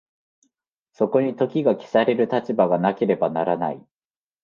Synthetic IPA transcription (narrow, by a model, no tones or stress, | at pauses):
so̞ko̞ɲ̟it̪o̞kʲiɡakʲi̥saɾe̞ɾɯ̟t̪at͡ɕibaɡanake̞ɾe̞banaɾana̰i